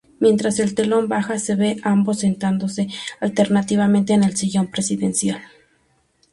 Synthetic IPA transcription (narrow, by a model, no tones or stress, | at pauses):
mje̞nt̪ɾase̞lt̪elombaxaseβeʔambosːent̪and̪osealt̪eɾnat̪iβament̪eːnelsiʝompɾesiðensjal